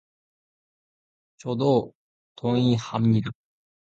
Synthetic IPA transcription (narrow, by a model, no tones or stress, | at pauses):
t͡ɕod̪o | t̪ʰõɰ̃ihamɲiɾɯ